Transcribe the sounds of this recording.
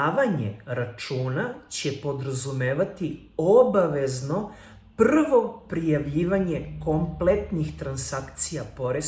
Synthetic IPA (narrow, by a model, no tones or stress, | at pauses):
ʋaɲe̞̰ɾat͡ʃuːnat͡ɕe̞po̞d̪ɾazumeːʋat̪i | obaʋe̞zno̞ | prr̩ʋo̞pɾijaʋʎiːʋaɲe̞ko̞mplet̪nixt̪ɾansakt̪sijapo̞ɾe